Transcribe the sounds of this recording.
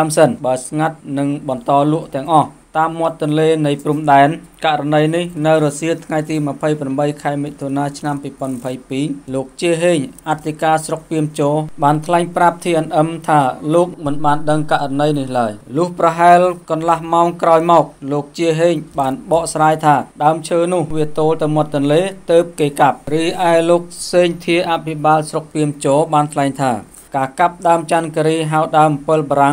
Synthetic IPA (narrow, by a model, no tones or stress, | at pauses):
aəmsənɓaəlsŋat̪̚nɨŋɓɑnt̪ɑːlŭəʔt̪ɛ̆əŋʔɑht̪aːmːŏət̪ːʊ̆ənleːnɨjprumɗaɛnkaʔranəjnihnɨwɾoːsiət̪ʰŋajt̪iːmə̆pʰəjpramɓəjkʰaɛmit̪ʰːoːnaːt͡ɕʰnampiːpŏənmapʰəjpiːloːk̚t͡ɕiəɦeːɲʔat̪ʰːikaːsrok̚piəmt͡ɕoːɓaːnt̪ʰlaɛŋprap̚t̪ʰiːʔənʔəmt̪ʰaːloːk̚mɨnɓaːnɗəŋkaʔranəjnihlaəjlʊ̆əhprɑɦaɛlkɑnlahmaɔŋkraɔjmɑːk̚loːk̚t͡ɕiəɦeːɲɓaːnɓɑːʔsraːjt̪ʰaːɗaəmt͡ɕʰəːnʊ̆əhʋiət̪oːlt̪ɨwmŏt̪ːɨnleːt̪əːp̚keːkap̚rɨːʔaɛloːk̚seːɲt̪ʰiəʔapʰiɓaːlsrok̚piəmt͡ɕɔːɓaːnt̪ʰlaɛŋt̪ʰaː | kaːkap̚ɗaəmt͡ɕankəɾiːɦaɔɗaəmpəlɓaːɾaŋ